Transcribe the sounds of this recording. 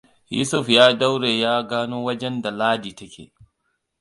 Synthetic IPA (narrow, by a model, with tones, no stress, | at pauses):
jṵ˦sʊ˦fjaː˦da˦wɾeː˨jaː˦ɡaː˦noː˦wɐ˦d͡ʒɛ˦nda˨laː˦di˨tɐ˦kʲʰḛː˨